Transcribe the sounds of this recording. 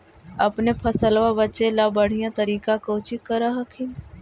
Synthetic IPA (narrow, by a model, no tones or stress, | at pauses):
ɐpnepʰəsəlʋabətːʃelabəɽ̤ijãt̪əɾiːkakoːt͡ʃikəɾaɦɐkʰin